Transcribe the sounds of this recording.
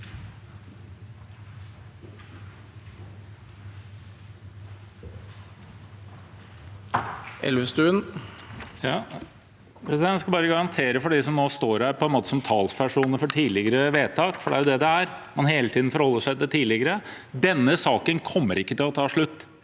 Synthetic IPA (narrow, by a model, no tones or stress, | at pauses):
ʔɛ̰lʋəst̪ʉːən | jɑ | pʰɾɛsɪd̪ɛnæskɑlbɑːɾəɡɑɾɑnt̪ʰeːɾəfɔɖisɔmnoːst̪oːɾhæːɾpʰɔɛnmoːt̪ə̥sɔmt̪ʰɑːlsʋæʂuːnəfɔʈʰiːlɪɡəɾəʋeːt̪ʰɑːkfɔɖɛæɾjʊd̪ɛd̪ɛæɾmɑnɦeːlət̪ʰiːd̪n̩fɔɾhɔlːəʂæɪt̪ɛt̪ʰiːlɪɡəɾə | d̪ɛnːəsɑːkənkʰɔmːəɾʔɪkːət̪ɪlɔt̪ʰɑːʂɭʉt̪ː